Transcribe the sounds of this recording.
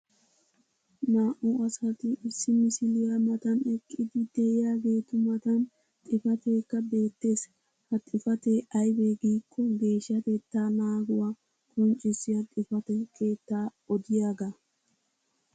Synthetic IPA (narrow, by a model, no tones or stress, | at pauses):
naːʔʊɐsɐt̪ɪʔːsːɪmɪsɪlɪjɐmɐt̪ɐnɛkʼːɪd̪ɪd̪ɛɪjaːɡe̞ːt̪ʊmɐt̪ɐn | t̪ʼɪfɐt̪eːkːɐbe̞ːt̪ːe̞ːs | hɐt̪ʼːɪfɐt̪eɐjbeɡiːkːɔɡe̞ːʃːɐt̪ɛt̪ːanaːɡʊwa | kʰʼɔnt͡ʃʼɪsɪjɐt̪ʼɪfɐt̪ɛkʰʼe̞ːt̪ːaːɔd̪ɪjaːɡɐ